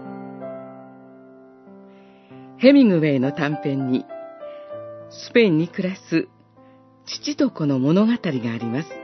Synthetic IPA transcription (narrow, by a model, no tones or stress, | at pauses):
he̞mʲĩŋɡɯ̟βe̞ːno̞t̪ãmpẽ̞ɲ̟ːi | sɨ̥pe̞ĩɲ̟ːikɯ̟ɾasɨ | t͡ɕi̥t͡ɕit̪o̞ko̞no̞mo̞no̞ɡat̪aɾʲiɡaːɾʲimasɨ̥